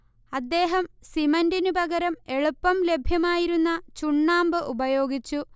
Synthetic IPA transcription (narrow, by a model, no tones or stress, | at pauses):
ɐd̪ːe̞ːɦɐmsimɐndinubɐɡɐɾɐme̞ɭupːɐmle̞bʱjɐmaːjiɾunːɐt͡ɕuɳːaːmbɨʔubɐjo̞ːɡit͡ɕːu